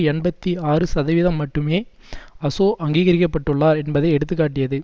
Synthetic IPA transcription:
ɛɳbɐt̪ːiaːrɯsɐðɐʋɪðɐmːɐʈːɯmeː | ɐsoːʔɐŋɡiːɣɐɾɪkːɐpːɐʈːɯɭːaːɾɛnbɐðɐɪɛɽɯt̪̬ːɯkːaːʈːɪjɐðɯ

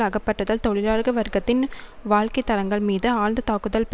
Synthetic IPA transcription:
ɐɣɐpːɐʈːɐðɐlt̪ɔɭɪɾaːɾɣɐʋɐɾɡɐt̪ːɪnʋaːɭkɐɪt̪ːɐɾɐŋɡɐɭmiːðɯaːnd̪ɯt̪aːkɯðɐlp

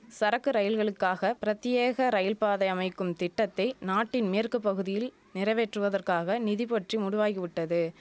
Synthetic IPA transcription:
sɐɾɐkːɯɾɐjɪlɣɐɭɯkːaːɣɐpɪɾɐt̪ːjɪjeːɣɐɾɐjɪlpaːðɐɪɐmɐɪkːɯmt̪ɪʈːɐt̪ːɐɪnaːʈːɪnmeːɐrkɯpːɐɣɯðɪjɪl | nɪrɐʋeːʈrɯʋɐðɐrkaːɣɐnɪðɪpɔʈrimʊɽʊʋaːɣiʋɪʈːɐðɯ

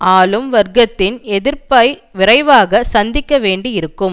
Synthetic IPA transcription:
aːlɯmʋɐɾɡɐt̪ːɪnɛðɪɾpɐɪʋɪɾɐɪʋaːɣɐsɐnd̪ɪkːɐʋeːɳɖiɪɾɯkːɯm

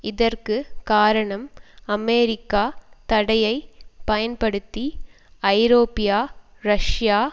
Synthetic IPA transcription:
ɪðɐrkɯkaːɾɐɳɐmɐmeːɾɪkːaːt̪ɐɽɐjɐɪpɐjɐnpɐɽɯt̪ːi | ɐɪɾoːpɪjaːɾɐʂjaː

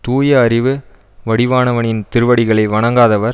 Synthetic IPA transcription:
t̪uːjɐːɾɪʋɯ | ʋɐɽɪʋaːnɐʋɐɳɪnt̪ɪɾɯʋɐɽɪɣɐɭɐɪʋɐɳɐŋɡaːðɐʋɐɾ

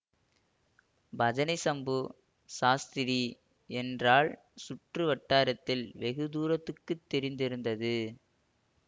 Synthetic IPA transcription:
bɐd͡ʒɐnɐɪsɐmbɯ | saːst̪ɪɾi | ɛndraːɭ | sʊʈrɯʋɐʈːaːɾɐt̪ːɪlʋɛɣɯd̪uːɾɐt̪ːɯkːɯt̪ːɛɾɪnd̪ɪɾɯnd̪ɐðɯ

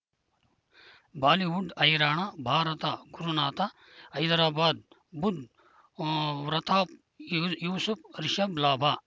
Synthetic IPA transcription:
baːliʋuɖɐjɾaːɳɐbʱaːɾɐt̪aɡuɾunaːt̪a | ɐjd̪ɐɾaːbaːd̪̚ | bud̪ | ɾɐt̪ʰaːp̚ | juːsupɾiʃɐblaːbʱa

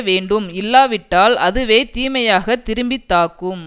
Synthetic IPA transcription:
ʋeːɳɖɯmɪlːaːʋɪʈːaːlɐðɯʋeːt̪iːmɐjaːɣɐt̪ːɪɾɯmbɪt̪ːaːkɯm

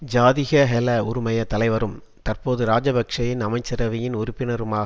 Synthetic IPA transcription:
d͡ʒaːðɪɣɐɦɛlɐʊɾʊmɐjɐt̪ɐlɐɪʋɐɾɯm | t̪ɐrpoːðɯɾaːd͡ʒɐbɐkʂɐjɪnɐmɐɪt͡ʃːɐɾɐʋɪjɪnʊɾʊpːɪnɐɾɯmaː

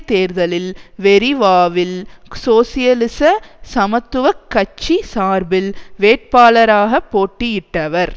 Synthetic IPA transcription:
t̪eːɾðɐlɪlʋɛɾiʋaːʋɪlsoːsɪjɐlɪsɐsɐmɐt̪ːɯʋɐkːɐt͡ʃːisaːɾbɪlʋeːʈ̚paːlɐɾaːɣɐpːoːʈːɪjɪʈːɐʋɐɾ

